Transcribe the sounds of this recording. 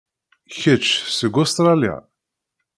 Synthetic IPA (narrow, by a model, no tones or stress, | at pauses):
çət͡ʃːsəɡost̪ɾˤalja̰